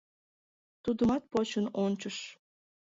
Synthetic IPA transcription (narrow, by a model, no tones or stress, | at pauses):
t̪ud̪əmɑt̪̚pot͡ɕənonʲt͡ɕəʃ